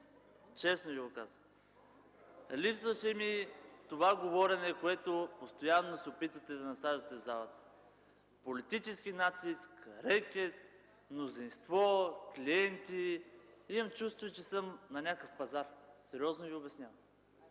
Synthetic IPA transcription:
t͡ʃɛsnoviɡokazə | lipsvəʃɛmit̪ovaɡovɔɾɛnɛkoɛt̪opost̪ojanːosɛopit̪vət̪ɛd̪ɐnɐsaʒət̪ɛzalˠət̪ə̥ | polit̪it͡ʃɛsk̟inat̪iskɾɛkʲɛt̪ | mnozinst̪vɔkliɛnt̪iimɐmt͡ʃust̪vʊjt͡ʃɛsɤmnɐnʲakəfpɐzaɾsɛɾʲiɔznoviobɛsnʲavm

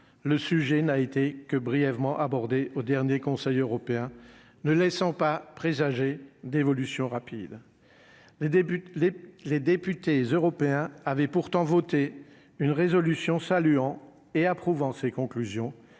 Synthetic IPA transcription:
ləsyʒɛnaet̪ekəbʁijɛvmɑ̃ʔabɔʁd̪eʔod̪ɛʁnjekɔ̃sɛjøʁɔpeɛ̃ | nəlɛsɑ̃papχezaʒed̪evɔlysjɔ̃ʁapid̪ | led̪epyt̪ezøʁɔpeɛ̃avɛpuʁt̪ɑ̃vɔt̪e | ynʁezɔlysjɔ̃salyɑ̃ | eapχuvɑ̃sekɔ̃klyzjɔ̃

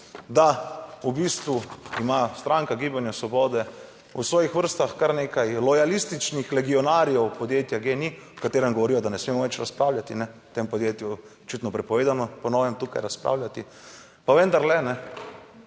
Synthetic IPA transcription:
d̪aubist̪ʋuimast̪ɾaŋkaɡiːbanjasʋɔbɔːd̪ɛ | usʋɔːjixʋəɾst̪axkaɾneːkajlɔjalist̪it͡ʃnixlɛɡiɔnaːɾijɛwpɔd̪jeːt̪jaɡenikat̪eːɾɛmɡɔʋɔɾijɔd̪anɛsmeːmɔʋɛt͡ʃɾaspɾaːwlʲjat̪inɛt̪empod̪jet̪ju | t͡ʃit̪nɔpɾɛpɔʋeːd̪anɔpɔnɔːʋɛmt̪uːkajɾaspɾa̰ːwlʲjat̪i | paʋɛnd̪aɾlɛnɛ

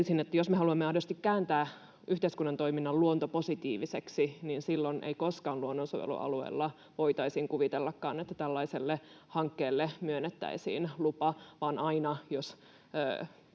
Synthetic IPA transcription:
isinet̪ːæjosmehɑluɑmːeɑidost̪ikkæːnt̪æː | ʔyht̪eiskunːɑnt̪oiminːɑlluont̪oposit̪iːʋiseksininsilːonḛikoskɑːnluonːonsoʋḛlṵʔɑ̰luḛːlːɑ | ʋoit̪ɑisiːŋkuʋit̪elːɑkːɑ̰ːnet̪ːæt̪ælːɑiselːe | hɑŋkːeːlːemyønːet̪ːæ̰isḭːnlupɑʋɑːnʔɑinɑjosː

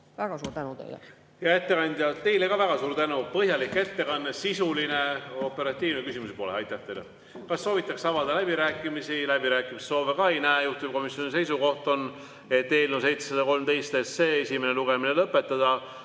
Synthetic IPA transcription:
ʋæɡ̥ɑsuːt̪ænut̪ḛjl̰ | jɑe̞t̪ːe̞kɑnʲd̪jɑt̪e̞jle̞kɑvæɡ̥ɑsuːɾt̪ænupɤɦjɑlikːe̞t̪ːe̞kɑnːesisuline̞o̞pːˑeɾɑt̪ʲːˑiːvnekysimusepo̞leɑjt̪ːˑæht̪e̞jle | kɑsːo̞ːvit̪ːˑɑksɑvɑd̪ɑlæb̥iɾæːkːˑimisilæb̥iɾæːkːˑimisso̞ːvekɑːejnæejuht̪ub̚ko̞misjo̞nise̞jsuko̞ht̪o̞nː | e̞t̪ːe̞ːlnus̬e̞jt̪se̥sed̪ɑko̞lmd̪e̞jst̪esːe̞ːesime̞ne̞luɡ̥eminelɤpːˑe̞t̪ːˑɑd̪̥ɑ

